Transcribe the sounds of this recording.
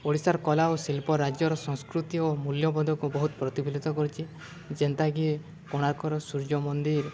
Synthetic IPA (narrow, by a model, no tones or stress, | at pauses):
oɽisaɾkɔlaosilpɔɾad͡ʒjɔɾɔsɔ̃ŋskɾut̪iomuljɔbɔd̪ʱɔkubɔɦut̪ɔpɾɔt̪ibilit̪ɔkɔɾit͡ʃʰi | d͡ʒent̪aɡi | kɔɽ̃aɾkʰɔɾɔsuɾd͡ʒɔmɔnd̪iɾ